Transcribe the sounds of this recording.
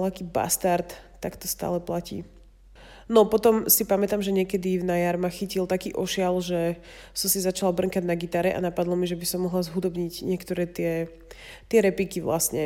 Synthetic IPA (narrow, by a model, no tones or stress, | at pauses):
lakiːba̰st̪aɾt̪ːakt̪ɔst̪a̰ːlɛplacḭː | nɔpɔt̪ɔmsipamɛt̪amʒɛɲɪɛkɛd̪ivnajaɾmaxicilt̪akiːʔɔʃɪalʒɛ | sɔmsizat͡ʃalabr̩ŋkaɟnaɡit̪aːɾɛʔa̰napad̪lɔmiʒɛbisɔmːɔɦlazɦud̪ɔbɲiɟɲɪɛkt̪ɔɾɛːt̪ɪɛ | t̪ɪɛɾɛpikiʋla̰sɲɛ